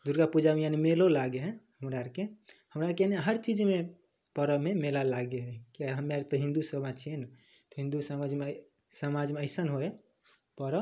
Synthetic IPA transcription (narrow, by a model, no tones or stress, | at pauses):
d̪uɾɡapud͡ʒamejanimelolaɡeɦɛ̃həmɾaɾkehəmɾaɾkeneɦəɾt͡ʃid͡ʒme | pəɾəmemelalaɡeɦɛ̃kiaɦəmaɾt̪ɔɦĩnd̪usəbad͡ʒt͡ʃʰien | t̪ɔɦĩnd̪usəmad͡ʒme | səmad͡ʒmeəɪsənɦoe | pəɾə